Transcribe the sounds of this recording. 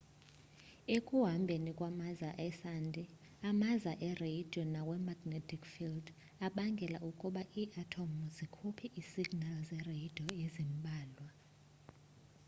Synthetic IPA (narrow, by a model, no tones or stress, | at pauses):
ekʼuɦambʱenikʼwamazaʔɛsandʱʼi | amazaʔɛreid̥ʱiɔnawɛmaɡ̥netʰʼikfild | aɓaŋɡʱɛlaʔukʼuɓaʔiːʔatʰomuzikʰupʰiʔisiɡ̥nalzɛrejid̥ʱiɔezimɓʱaːlwa